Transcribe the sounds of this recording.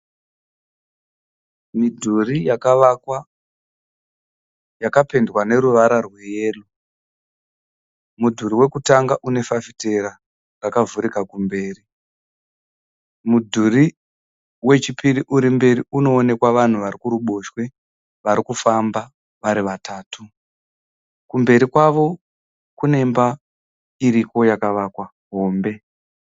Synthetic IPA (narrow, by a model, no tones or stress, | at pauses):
midʱurijakka | jakape̞ndwane̞ɾuʋaɾarwe̞jeːlo | mudʱuɾiwe̞kutaŋɡaʔune̞fafite̞ɾa | rakavuɾikakumbe̞ːri | mudʱuɾi | we̞t͡ʃipiriʔuɾimbe̞ɾiuno̞ːne̞kwaʋan̤uʋaɾikuɾuɓo̞ʃwe̞ | ʋaɾikufamba | ʋaɾiʋataːtʰu | kumbe̞ɾikwaʋo̞ | kune̞mba | iɾiko̞jakaʋaːkwa | ɦo̞ːmbe̞